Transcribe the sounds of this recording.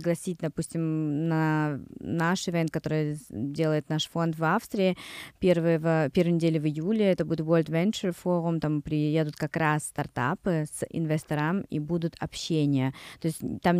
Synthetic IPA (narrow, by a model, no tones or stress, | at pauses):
ɪɡlˠɐsʲit̚ʲd̪ɐpusʲtʲɪmnɐ | naʂɪvʲɛnt̪̚kɐt̪o̞ɾɨjdʲe̞lˠəjɪt̪naʂfo̞nt̪vafst̪ɾʲɪɪpʲervɨjəvəpʲe̞rvəjnʲɪdʲelʲɪvɨjulʲɪɛt̪əbudʲɪt̪volʲt̪vʲɛnʲt͡ʃəɾfoɾʊmt̪ampɾʲɪjed̪ʊt̪kɐkɾasːt̪ɐrt̪a̰pɨsɪ̰nvʲɪst̪ɐɾamḭbud̪ʊt̪ɐ̰pɕːenʲɪjət̪o̞ɪsʲtʲt̪am